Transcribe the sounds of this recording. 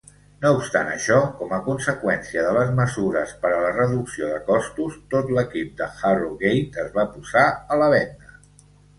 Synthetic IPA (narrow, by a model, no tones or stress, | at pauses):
noupst̪a̰nə̰ʃɔkɔməkunsəkwɛnsiəðələzməzuɾəspəɾələrəðuksioðəkɔst̪ust̪ot̪ləkip̚d̪əxaruɣejt̪əzβapuzaələβ̞ɛnd̪ə